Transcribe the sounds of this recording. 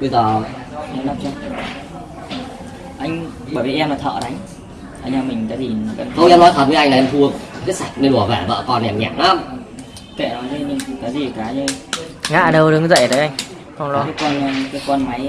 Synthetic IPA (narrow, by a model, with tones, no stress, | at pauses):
kɨ˧˦zəː˨˩ʔɛ˧mɗa˦˥p̚t͡ɕɔ˧˨˩ | ʔa˧jŋ̟ɓəː˧˩jviː˨˩ʔɛ˧mla˨˩t̪ʰə̰ː˧˨ɗa˨˧jŋ̟ | ʔəː˨˧˩ɲaː˧mï˨˩ŋ̟kaː˨˦zi˨˩˨ka˨˧˦ə˧wŋ͡mʔɛ˧mnɔ˨˦jt̪ʰəː˨˩vəː˨˦ʔa˧jŋ̟lʔɛ˧mt̪ʰu˧ə˧ka˨˦sa˨˩k̚ne˧nʔu˧˩əvɛː˧˩ɓə̰ː˧˨kɔ˧nɛ˨˩mɲaː˧˩mna˨˦˧m˨ | kḛ˧˩nɔ˨˦t̪ʰi˧mï˨˩ŋ˨˩kaː˨˦zi˨˩kaː˨˦˧ | ŋa̰ː˧˨ɗə˧wɗɨ˨˦ŋzə̰˧˨jɗə˨˦ʔa˧jŋ̟ | xə˧ŋ͡mlːkːa˨˦jkwa˧n˧ka˨˦kwa˧nma˨˦j